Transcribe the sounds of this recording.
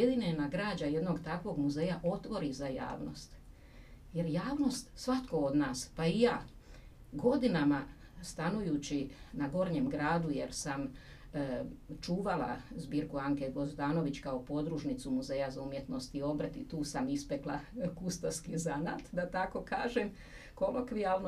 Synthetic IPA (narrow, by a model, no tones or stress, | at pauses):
jed̪inenaɡɾaːd͡ʒaje̞d̪no̞ɡt̪akʋo̞ɡmuze̞ːjaʔo̞t̪ʋo̞ɾizaja̰ːʋno̞̰st̪ | je̞ɾjaːʋno̞st̪sʋat̪ko̞od̪naːspaijaː | ɡo̞d̪inama | st̪anujut͡ɕinaɡo̞ɾɲemɡɾaːd̪uje̞ɾsam | t͡ʃuːʋala̰zbiːɾkuaŋkeɡo̞zd̪aːno̞ʋit͡ɕkaopo̞d̪ɾuʃnit̪sumuzeːjazaumje̞t̪no̞st̪io̞br̩t̪it̪uːsamispeklˠakust̪oskizanat̪d̪at̪ako̞kaːʒem | ko̞lokʋijaʋno